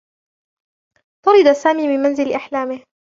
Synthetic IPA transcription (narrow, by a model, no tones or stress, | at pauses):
t̪ʊɾɪd̪asaːmiːmɪnmanzɪlʔaħlaːmɪh